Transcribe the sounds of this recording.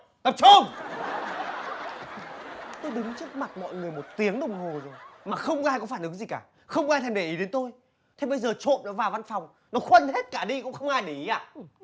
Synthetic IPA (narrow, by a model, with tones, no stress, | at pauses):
t̪ə˨˩p̚t͡ɕu˧ŋ | t̪o˧jɓï˨˦ŋt͡ɕɨ˦˥ək̚ma˨˩t̚mɔ̰˧˨jŋɨ˨˩əjmo˨˩t̚t̪i˨˦əŋɗə˨˩wŋ͡mɦo˨˩zo˨˩jmaː˨˩xə˧wŋ͡mʔaː˧jkɔ˨˦faː˧˩nʔɨ˨˦ŋzi˨˩kaː˧˩ | xə˧wŋ͡mʔaː˧jt̪ʰɛ˧˩ɗe˧˩ʔi˨˦ɗe˨˦nt̪o˧j | t̪ʰe˧˦ɓə˧jzəː˨˩t͡ɕo̰˧˨ɗa̰ː˧˥vaː˨˩wva˧nfa˨˩wŋ͡m | nɔ˨˦xwə˧nhe˦˥t̚kaː˧˩ɗi˧kʊ̰˧˥ŋ͡mxə˧wŋ͡mʔaː˧jɗi˨˧˨ʔa̰ː˧˩